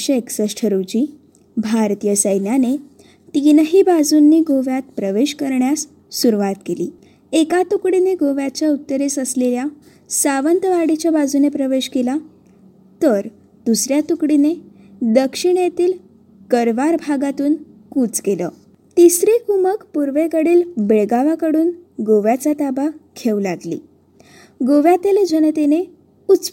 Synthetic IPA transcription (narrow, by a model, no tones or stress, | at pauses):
ɕəeksəɕʈʰəɾud͡ʑiː | bʱaɾt̪ijəsəjnjane | t̪inəɦiːbad͡zunːiːɡoʋjat̪̚pɾəʋeɕkəɾɳjasː | uɾuʋat̪keliː | ekat̪ukɽineɡoʋjat͡ɕjaut̪ːəɾesəslelja | saʋənt̪əʋaɽit͡ɕjabad͡zunepɾəʋeɕkela | t̪əɾ | d̪̥usɾjat̪ukɽined̪əkʂiɳjet̪iːl | kəɾʋaɾbʱaɡat̪uːn | kuːt͡skelə | t̪isɾekuməkpuɾʋekəɽiːlbeɭɡaʋakəɽuːnɡoʋjat͡sat̪abakʰeulaɡlḭː | ɡoʋjat̪eled͡ʑənət̪ene | ut͡s